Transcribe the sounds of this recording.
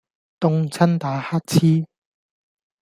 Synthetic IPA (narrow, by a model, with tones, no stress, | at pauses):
t̪ʊ˥ŋt͡sʰɐ˥nt̪aː˨˧haː˥t̚t͡sʰiː˥